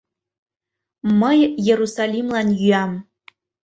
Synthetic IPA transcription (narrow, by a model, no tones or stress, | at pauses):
məjjerusalimlanjam